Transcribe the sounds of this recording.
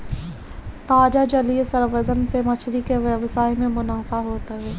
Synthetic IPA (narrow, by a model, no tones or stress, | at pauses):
t̪aːd͡ʒad͡ʒɐliesɐɾʋəd̪ənsemɐt͡ʃʰɽikeʋʋəsaːɪmẽmʊnaːfaɦoːt̪aɦɛː